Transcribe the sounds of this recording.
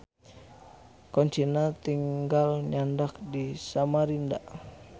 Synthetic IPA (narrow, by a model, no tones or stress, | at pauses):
kɔɲt͡ʃinat̪iŋɡalɲandak̚disamaɾinda